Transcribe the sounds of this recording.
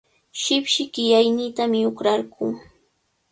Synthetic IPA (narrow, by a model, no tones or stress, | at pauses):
ʃɪpʃɪkɪjajniːt̪amɪʊkɾaɾɢu